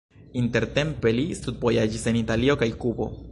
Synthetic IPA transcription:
inte̞ɾte̞mpe̞listud̪̚bo̞jad͡ʒise̞nitalio̞kajkubo̞̰

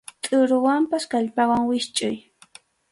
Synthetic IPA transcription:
t̪ʼʊɾʊwampaskaʎpawaŋwɪʃt͡ʃʼʊj

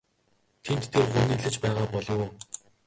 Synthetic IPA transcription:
t̪ʰent̪ːʰerχʊniːɮɘ̆t͡ɕpæːʁaːpɔɮʊ̆w

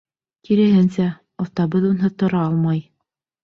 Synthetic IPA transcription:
kiɾɘ̆ɦɘnsæ | ot̪ɑbɤðunɦɤt̪ŏɾɑɑlˠmɑj

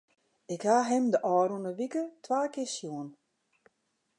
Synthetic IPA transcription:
ɪkhaɦɪmdəʔɔːɾunəʋikətʰʋaːkɪsjuən

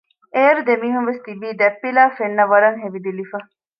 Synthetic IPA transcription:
eːɾud̪emiːɦunʋest̪ibiːd̪ɛpːilaːfenːɐʋɐɾɐŋɦeʋid̪ilifɐ

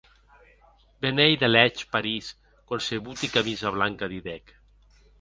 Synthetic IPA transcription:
benejðelɛt͡ʃpaɾis | konseβut̪ikamizaβlaŋkaðiðɛk

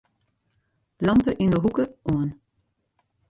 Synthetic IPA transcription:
lɑmpəʔinəɦukəʔoən

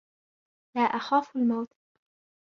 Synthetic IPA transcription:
laːʔaxaːfalmawt̪ˤ

